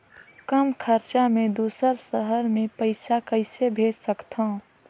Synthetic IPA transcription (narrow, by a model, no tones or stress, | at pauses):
kəmkʰəɾt͡ʃamẽd̪uːsəɾsəɦəɾmẽpəɪsakəɪsebʱeːd͡ʒsəkt̪ʰõ